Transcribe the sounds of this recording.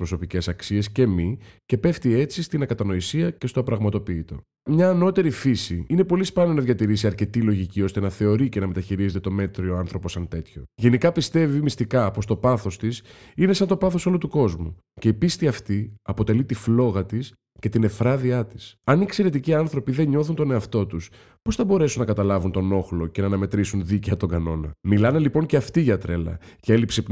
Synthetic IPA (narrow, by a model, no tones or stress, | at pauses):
pɾo̞so̞pice̞sɐksie̞sce̞mice̞pe̞ft̪ie̞t͡sist̪inɐkɐt̪ɐno̞isiɐce̞st̪opɾɐɣmɐt̪o̞piːt̪o̞̰ | mɲɐːno̞t̪e̞ɾifisiinepo̞lispɐnonɐðʝɐt̪iɾisiɐɾce̞t̪ilo̞ʝicio̞st̪e̞nɐθe̞o̞ɾice̞nɐme̞t̪ɐçiɾizet̪et̪o̞me̞t̪ɾioɐnθɾo̞po̞sːɐnt̪e̞t̪ço̞̰ʝe̞nikɐpist̪e̞vimist̪ikɐpo̞st̪o̞pɐθo̞st̪isine̞sɐnt̪o̞pɐθo̞so̞lot̪uko̞zmu | ce̞ipist̪iɐft̪iɐpo̞t̪e̞lit̪iflo̞ɣɐt̪is | ce̞t̪ine̞fɾɐðiɐt̪i̥sɐniekse̞ɾe̞t̪iciɐnθɾo̞piðe̞ɲo̞θunt̪o̞ne̞ɐft̪o̞t̪us | po̞sθɐbo̞ɾe̞sunɐkɐt̪ɐlɐvunt̪o̞no̞xlo̞ce̞nɐːnɐme̞t̪ɾisunðiceɐt̪o̞ŋɡɐno̞nɐ̰milɐnelipo̞ŋceɐft̪iʝɐt̪ɾe̞lɐ̰ce̞lipsep